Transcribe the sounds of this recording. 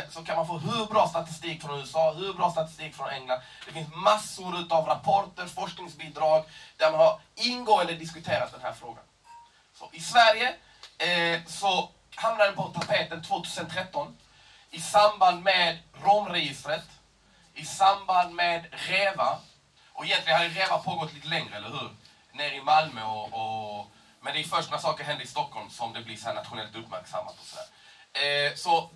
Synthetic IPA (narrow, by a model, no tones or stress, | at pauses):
sɔkʰanmanfoːɦʉ̟ːɾbɾɑːst̪at̪ɪ̥st̪iːkfɾɔnʉːɛsɑːhʉːbɾɑːst̪at̪ɪ̥st̪iːkfɾɔnʔɛŋland̪d̪ɛfɪnsmasːʊɾʉ̟ːt̪avɾapʰɔɾʈəɾfɔʂknɪŋsbiːd̪ɾɑːɡd̪æɾmanhaɾɪnɡoːənd̪əd̪ɪskɵt̪ʰeːɾat̪̚d̪ɛnhæ̰ːɾfɾoːɡa̰n | sɔ̰ʔɪsvæɾjə | sɔ | hamnaɾɛpʰɔt̪ʰapʰeːt̪ənt̪ʰvoːt̪ʰʉ̟ːsənt̪ʰɾɛt̪ːɔn | ɪsamband̪meːd̪ɾɔmɾɛjɪst̪ɾət̪ | ɪsamband̪med̪ɾeːva | ʔɔɛjɛnt̪lɪɡənhad̪əɾeːvapʰoːɡɔt̪ʰːliːt̪əlɛŋɾəɛlːəɾɦʉ̟ːɾ | neːɾɪmalmœɔɔ | mɛnd̪ɛæfœʂʈnasɑːkəɾɦɛnd̪əɾɪst̪ɔkːɔlmsɔmd̪ɛblɪsɔhæːɳa̰t̪ɧʊnɛlt̪ɵpːmæ̰ɾksa̰mːa̰t̪ɔ̥sɔd̪æ̰ːɾ | sɔ